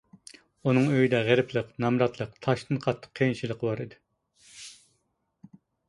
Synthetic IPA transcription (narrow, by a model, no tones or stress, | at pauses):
unɨŋøjid̪ɛʁeɾɪpʰlˠəqnɑmɾɑt̪ʰlˠəqt̪ʰɑʃt̪ʰɨnqʰɑt̪ʰːə̥qʰːejnʃilˠəqʰəbɑɾid̪ɪ